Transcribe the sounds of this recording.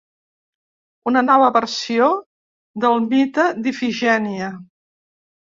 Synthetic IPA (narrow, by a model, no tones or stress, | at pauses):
unənɔβəβəɾsio | d̪əlˠmit̪əd̪ifiʒɛniə